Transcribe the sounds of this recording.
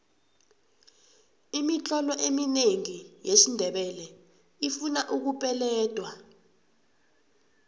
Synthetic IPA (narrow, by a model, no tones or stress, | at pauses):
imit͡ɬɔlɔʔemineŋijeʃindʱɛɓɛlɛ | ifunaʔuk̬upʼɛlɛːd̥ʱwa